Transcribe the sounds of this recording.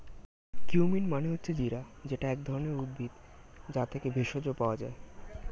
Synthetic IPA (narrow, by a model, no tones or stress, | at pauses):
kiuminmaneɦotːɕʰed͡ʑiɾa | d͡ʑeʈaɛkd̪ʱɔɾoneɾud̪̚bʱid̪ | d͡ʑat̪ʰekebʱeʃod͡ʑopaoad͡ʑae